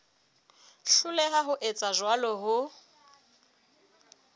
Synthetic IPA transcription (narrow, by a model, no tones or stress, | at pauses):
ɬʊlɛɦaɦʊʔet͡sʼaʒwalɔɦʊ